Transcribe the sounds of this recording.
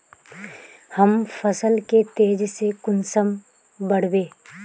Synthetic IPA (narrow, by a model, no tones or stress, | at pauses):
həmfʰəsəlket̪eːd͡ʒsekʊnsəm | bəɽ̤weː